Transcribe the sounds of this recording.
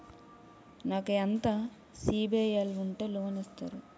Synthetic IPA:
naːkeɐnt̪a | siːbijɐluɳʈeːloːnist̪a̰ːɾu

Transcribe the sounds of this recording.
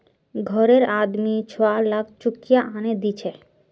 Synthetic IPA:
ɡʱɔɾeɾad̪mit͡ɕʰoalak̚ʰt͡ɕukijaʔaned̪it͡ɕʰe

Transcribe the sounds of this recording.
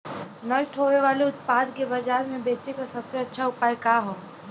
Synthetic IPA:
nəʃʈɦoʋeʋaːleʊt̪̚paːd̪kebɐd͡ʒaːɾmẽbeːt͡ʃekasɐbseɐtːʃʰaʊpaːjkaɦoː

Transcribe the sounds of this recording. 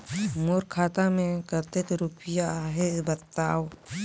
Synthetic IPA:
moːɾkʰaːt̪amẽkət̪et̪oɾʊpɪjaɦebət̪ːaːo

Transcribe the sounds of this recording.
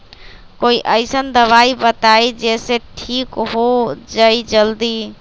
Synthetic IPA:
koiʔəjsənd̪əβaibət̪aid͡ʒeseʈʰikɦod͡ʒajd͡ʒəld̪i

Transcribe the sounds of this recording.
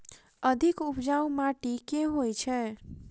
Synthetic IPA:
əd̪ʱikupd͡ʒawmaʈikeɦojt͡ʃʰɛ

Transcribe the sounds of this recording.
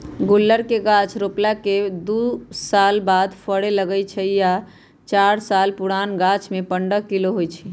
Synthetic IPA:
ɡulːəɾkeɡat͡ʃʰɾoplaked̪usalbad̪pʰəɽeləɡəjt͡ʃʰəja | t͡ʃaɾsalpuɽanɡat͡ʃʰmepəɳɖəkːiloɦojt͡ʃʰi

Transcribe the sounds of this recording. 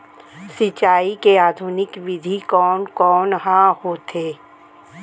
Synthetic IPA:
sɪt͡ʃaːikeaːd̪ʱunɪkʋɪd̪ʱikɔːnkɔːnɦãɦot̪ʰeː

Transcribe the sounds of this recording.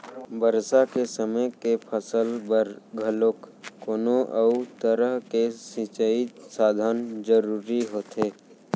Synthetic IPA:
bəɾsakesəməjkepʰəsələɡʱəlokːoːnoʔəʊt̪əɾəɦkesĩt͡ʃəisaːd̪ʱənd͡ʒəɾuːɾiɦoːt̪eː

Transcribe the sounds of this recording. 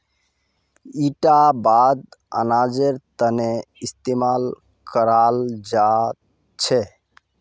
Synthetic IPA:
iʈabad̪̚ə̰nad͡ʒeɾt̪əneist̪emal | kəɾald͡ʒa | t͡ʃʰɛ

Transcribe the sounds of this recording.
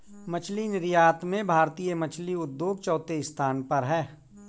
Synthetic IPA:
mɐt͡ʃʰlinɪɾjaːt̪mẽbʱaːɾt̪iːjəmɐt͡ʃʰliʊd̪ːjoːɡ̚t͡ʃɔːt̪eɪst̪ʰaːnpɐɾɦɛː

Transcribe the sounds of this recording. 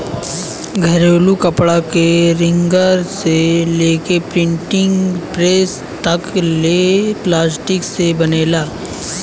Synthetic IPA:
ɡʱɐɾoːlukɐpɽakeɾɪ̃ŋɡəɾseleːkepɾɪ̃ɳʈɪ̃ŋɡpɾeːs | t̪ɐkleːplaːsʈɪksebɐneːlaː

